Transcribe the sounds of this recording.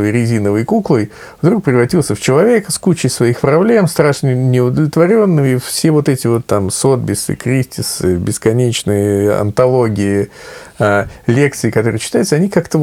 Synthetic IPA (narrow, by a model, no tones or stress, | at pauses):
vɨjɾʲɪzʲinəvɨjkuklˠɨj | vd̪ɾuk̚pɾʲɪvrɐtʲilˠsʲəft͡ɕɪlˠɐvʲe̞kəskut͡ɕɪjsvɐixpɾɐblʲe̞mst̪ɾaʂnʲənʲɪʊd̪əlʲɪt̪vɐɾʲo̞nːɨifsʲevo̞t̪ɛtʲɪvo̞t̪ːamso̞d̪̚bʲɪsɨ̰kɾʲisʲtʲɪsɨbʲɪskɐnʲet͡ɕnɨjəɐ̰nt̪ɐlˠo̞ɡʲɪɪalʲe̞k̚t̪sɨɪkɐt̪o̞ɾɨjt͡ɕːɪ̥t̪ajt̪səɐnʲikakt̪ə